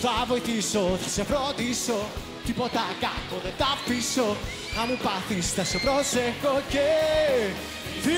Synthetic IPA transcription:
favojt̪isoθḁsɛpɾɔd̪iso | t̪ipɔt̪akakːoðɛt̪apːiso | amupaθist̪asopɾɔsɛkːokːe | θi

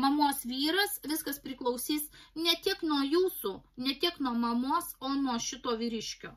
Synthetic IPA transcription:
mɐmuɔsʋʲiːɾɐsʋʲɪskɐspʲɾʲɪklˠɐʊsʲiːsnʲɛt̪ʲɪɛknuɔjuːsuːnʲɛt̪ʲɪɛknuɔmɐmuɔsoːnuɔʃʲɪt̪oːʋʲiːɾʲɪʃʲkʲo̰ː

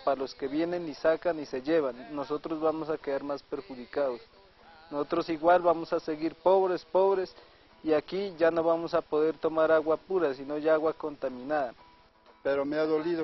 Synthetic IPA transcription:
paloskeβjenenːisakaniseʝeβanːosot̪ɾozβamosakeaɾmaspeɾxuðikaðos | nosot̪ɾosiɣwalβamosaseɣiɾpoβɾespoβɾes | iakiʝanoβamosapoðeɾt̪omaɾaɣwapuɾasinoʝaɣwakont̪aminaɾ | peɾomeaðoliðo

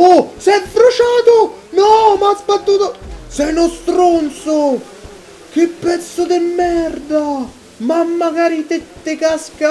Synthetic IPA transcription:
osɛd̪ːɾot͡ʃaːt̪onɔmazbad̪ːuːt̪osɛjnost̪ɾont̪so | k̟epːɛt̪sod̪ɪmːɛrd̪a | mamːaɡaːɾit̪et̪ːekaska

